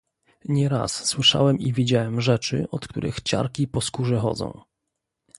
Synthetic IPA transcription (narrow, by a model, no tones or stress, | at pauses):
ɲɛɾa̰sswɘʂa̰wɛmivʲid͡ʑawɛmʐɛt͡ʂɘ̰ɔt̪k̚t̪ṵɾʔɘ̰xt͡ɕa̰ɾkʲipɔskuʐɛxɔ̰d̪zɔ̰̃w̃